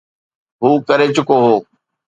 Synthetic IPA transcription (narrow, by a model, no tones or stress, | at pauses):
ɦuːkɐɾet͡ɕʊkoɦoː